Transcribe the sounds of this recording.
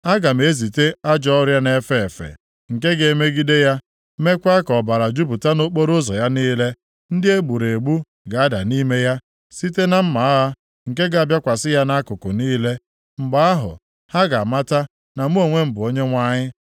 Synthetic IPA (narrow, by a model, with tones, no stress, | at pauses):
a˦ɡa˨m̩˨e˨˦zi˨te˦a˦d͡ʒɔ˦ɔ˦ɾja˦ne˨fe˦˨e˨fḛ˨ | ŋ̩˨ke˦ɡe˨me˦ɡi˦de˦ja˦ | me˦kʷa˦kɔ˨ba˨ɾa˨d͡ʒu˦bu˨ta˦no˦k͡po˦ɾo˦zɔ˨ja˦niː˦le˦ | n̩˦dɪ˦e˦ɡ͡bu˨ɾe˨ɡ͡bu˦ | ɡa˨a˦da˨ni˦me˦ja˦ | si˦te˦na˨m̩˦ma˨a˦a˦ | ŋ̩˨ke˦ɡa˨a˨bja˦kʷa˨sɪ˦ja˦na˦kʊ˨kʊ˨niː˦le˦ | m̩˨ɡ͡ba˦a˦ɦʊ̰˨ | ha˦ɡa˨ma˦ta˦ | na˨m̩˦o˨ŋʷe˦m̩˦bʊ˨o˦ɲe˦ŋʷa˦ɲɪ˦